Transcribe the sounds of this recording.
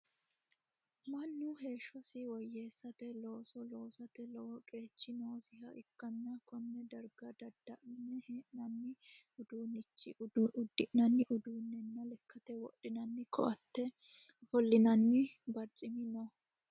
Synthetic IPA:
mɐnːʊɦe̞ːʃːɔsɪwɔjːeːsːɐt̪ɛloːsɔlo̞ːsɐt̪ɛlɔɔkʼe̞ːt͡ʃːɪnoːsɪɦɐ̰ʔɪkːɐnːɐkʰɔnːɛd̪ɐɾɡɐd̪ɐd̪ːɐʔnːɛhʔnɐnːɪ | ʊd̪uːnɪt͡ʃːɪ̰ʊd̪ːɪʔnɐnːɪʔʊd̪uːnːɛnːɐlɛkːɐt̪ɛwɔ̰ɗɪnɐnːɪkʰɔ̰ʔɐt̪ːɛ | fɔlːɪnɐnːɪbɐɾt͡sʼɪmɪnɔ

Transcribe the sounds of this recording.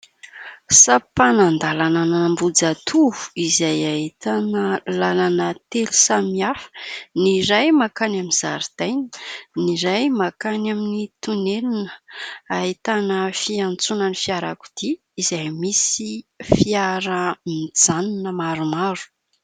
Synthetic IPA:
sapanand̪alananəmbud͡zat̪ʰuvu̥izajait̪anəlalanət̪elu̥samiafniɾajmakanaminzaɾd̪̥ajnə̥niɾajmakanaminit̪unelinəait̪anəfiant͡sunanifiaɾaku̥d̪̥iː | zajmisifiaɾəmid͡zaninəmaɾumaɾu̥

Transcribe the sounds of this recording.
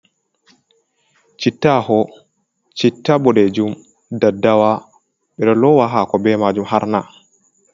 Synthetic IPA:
t͡ʃitːahɔ | t͡ʃitːaɓɔɗɛd͡ʒum | dadːawa | ɓɛɗɔlɔwaɦakɔbɛmad͡ʒumhaɾna

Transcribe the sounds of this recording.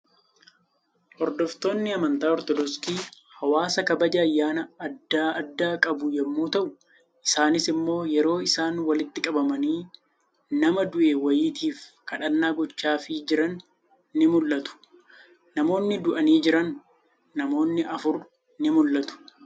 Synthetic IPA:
hɔɾd̪ɔft̪o̞ːnːɪɐmɐnt̪aːɔɾt̪ɔd̪ɔskiː | hɐwaːsɐkɐbɐd͡ʒɐːjːaːnɐɐd̪ːaːɐd̪ːaːkʼɐbʊjɛmːuːt̪ɐʔʊ | ʔɪsaːnɪsɪmːo̞ːjɛɾo̞ːɪsaːnwɐlɪt̪ːɪkʼɐbɐmɐniː | nɐmɐd̪ʊʔewɐjiːt̪ʰiːfkɐᶑɐnːaːɡɔt͡ʃːaːfɪd͡ʒɪɾɐnː | ɪmʊlːɐt̪ʊ̥ː | ɐmo̞ːnːɪd̪ʊʔɐniːd͡ʒɪɾɐnː | ɐmo̞ːnːɪʔɐfʊɾ | nɪmʊlːɐt̪ʊ̥

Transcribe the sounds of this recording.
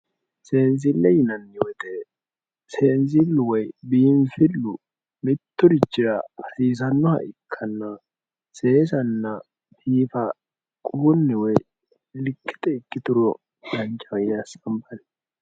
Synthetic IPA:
seːnz̬ɪlːɛjɪnɐnːjot̪ɛ | seːnz̬ɪlːʊwɔjbiːnfɪlːʊ | mɪt̪ːʊdɪt͡ʃːɪɾɐfɐsiːs̬ɐnːɔhɐ̰ʔɪkʰːɐnːɐ | seːsɐnːɐ | fiːfɐ | kʼuːnːɛwɔj | ɪlkːɪ̥t̪ʼɛɪkːɪt̪ʊɾɔ | d̪ɐŋkʼɐwɐjɪnɐsɐmbɐnɛ

